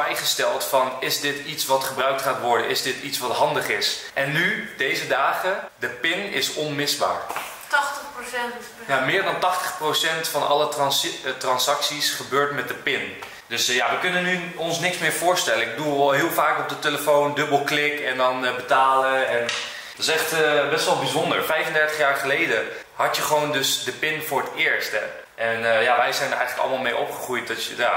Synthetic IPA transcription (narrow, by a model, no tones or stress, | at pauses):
ɛjχəstɛlˠtfɑnɪzdɪtitsʋɑtχəbrœɥk̚tχaːtʋɔɹdə̰nʔɪzdɪtitsʋɑtɦɑndəχɪsʔɛnːydejzədaːχədəpɪnɪsɔnmɪzba̰ːɹ | tɑχtəprosɛn | jamɪːɹdɑntɑχtəχprosɛntfɑnɑ̰lətrɑnsɑksisχəbøːɹtmɛt̚dəpɪn | døsjaʋəkønənːyɔnsnɪksmɪːɹfʊːɹstɛlənɪɡ̚dulˠlˠɦɪəlˠfaːkop̚dəteləfowndøbəlˠklɪkɛndɔnbətaːləɛn | dɔtɪsɛχtəbɛstʋɔlˠbizondəɹfɛjfəndɛɹtəχjaːɹχəlejdə | hɑtjəχəʋowndɵsdəpɪnfʊːɹətɪːɹstɛ | ʔɛnjaʋɛjzɛjndərɛ̰jχənləklˠəmaːlˠmejʔopχəχrujt̚dɔtjəja